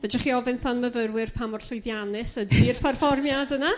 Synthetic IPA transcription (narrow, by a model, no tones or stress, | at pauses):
vɛd͡ʒaχiɔvɪnθanməvəɾwɪrpʰamɔrɬʊjðjanɪsədiːrpʰɛrfɔrmjadəna